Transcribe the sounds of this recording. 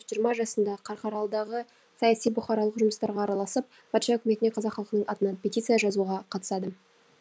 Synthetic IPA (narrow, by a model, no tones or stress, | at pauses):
ʒijəɾmɑʒɑsənd̪ɑqʰɑɾqɑɾɑlˠd̪ɑʁə | sɑjɑsijbʊχɑɾɑlˠəqʒʊməst̪ɑɾʁɑːɾɑlˠɑsəp̚ | pʰɑt̪ʃɑɵkʲɪme̞t̪ɪne̞qʰɑzɑqχɑlˠqənəɴɑt̪ənɑnpʲetʲit̪sɨjɑʒɑzuʁɑqʰɑt̪ə̥sɑd̪ə